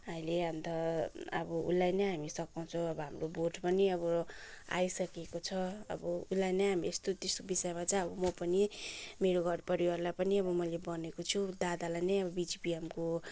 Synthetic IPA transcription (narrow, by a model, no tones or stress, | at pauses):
aileʌnt̪ʌʌ̰bʌṵlːajnʌjɦamisʌkaw̃t͡sʰʌ̃w̃ʌbʌɦamroboʈpʌniʌβʌa̰jsʌkekot͡sʰʌʌ̰bʌulːajnʌjɦamiest̪ot̪eskobisʌjmat͡sʌʌbʌmʌpʌnimeɾoɡʱʌɾpʌɾiwarlapʌniʌbʌmʌjlebʌnekot͡sʰud̪ad̪alajnʌjʌbʌbid͡zipiemko